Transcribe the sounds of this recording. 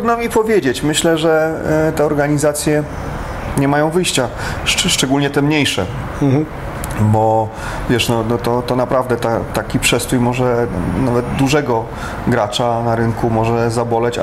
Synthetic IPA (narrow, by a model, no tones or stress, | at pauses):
d̪namʲipɔvʲjed͡ʑet͡ɕmɘɕlɛʐɛt̪ɛɔɾɡaɲizat̪sʲjɛ | ɲɛmajɔ̃w̃vɘjɕt͡ɕa | ʂʂt͡ʂɛɡulɲɛt̪ɛmɲejʂɛ̰ | bɔ | vʲjɛʂnɔnɔt̪ɔt̪ɔnapɾʔavd̪ɛt̪at̪akʲipʂɛst̪ɾujmɔʐɛnavɛd̪d̪uʐɛɡɔ | ɡɾat͡ʂanaɾɘŋkumɔʐɛzabɔlɛt͡ɕ